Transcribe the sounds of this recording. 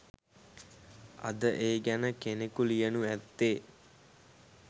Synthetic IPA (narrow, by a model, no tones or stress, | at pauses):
ɐ̰d̪əʔeːɡænəkenekulijənuæt̪ːeː